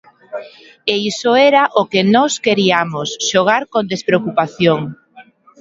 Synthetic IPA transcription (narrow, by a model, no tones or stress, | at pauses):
eisoɛɾaʔokenɔskeɾiamosʃoɣ̞aɾkond̪espɾeokupaθjoŋ